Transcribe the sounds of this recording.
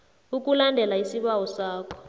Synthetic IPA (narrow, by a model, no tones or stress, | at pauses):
uk̬ʼulandʱɛlaisiɓawɔsaːkʰɔ̥